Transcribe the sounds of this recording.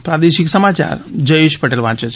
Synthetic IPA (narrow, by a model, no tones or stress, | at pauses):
pɾad̪eʃiksəmat͡ʃa̰ɾd͡ʒəjeʃpəʈelʋãt͡ʃet͡ʃʰ